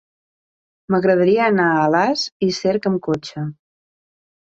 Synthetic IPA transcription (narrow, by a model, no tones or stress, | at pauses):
məɣɾəðəɾiəːnaəlaziseɾkəmkot͡ʃə